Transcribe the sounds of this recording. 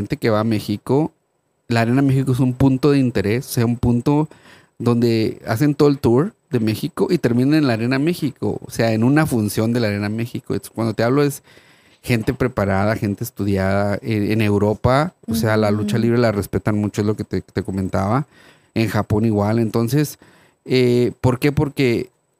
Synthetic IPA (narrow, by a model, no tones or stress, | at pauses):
ent̪e̞ke̞βaːme̞xiko̞ | laɾe̞namexikoesumpunt̪o̞ðeint̪e̞ɾe̞soseaumpunt̪o̞ | ðo̞nd̪e̞a̰s̬e̞nt̪oðelt̪uɾ | ðe̞me̞xiko̞ʔit̪e̞ɾmĩnanenlaɾename̞xiko̰o̰se̞aenũnafunsjo̞nd̪elaɾe̞name̞xikoḛkwand̪o̞t̪eaβloes | xe̞nt̪e̞pɾe̞paɾað̞axe̞nt̪eːst̪uðjaðaeene̞wɾo̞paosealalut͡ʃaliβɾe̞lare̞spe̞t̪anmut͡ʃoezlo̞ket̪et̪e̞ko̞mẽnt̪aβa | eŋxapo̞niɣwale̞nt̪o̞nse̞s | epo̞ɾke̞po̞ɾke̞